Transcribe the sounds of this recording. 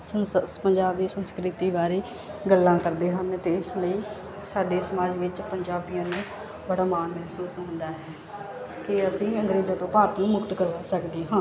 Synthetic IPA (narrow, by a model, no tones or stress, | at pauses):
əpəɲd͡ʒaːbd̪iːsənskɾɪt̪iːbaːɾeː | ɡəlːãːkəɾd̪eːɦənt̪eːɪsləiː | saːɖeːsəmaːd͡ʒʋɪt͡ʃpəɲd͡ʒaːbijãːnũː | bəɽaːmaːnmɛɦsuːsɦõːnd̪aːɦɛː | kɪəsĩːəŋɡɾeːzãːt̪õːpaːɾət̪nũːmʊkt̪kəɾʋaːsəkd̪iːɦãː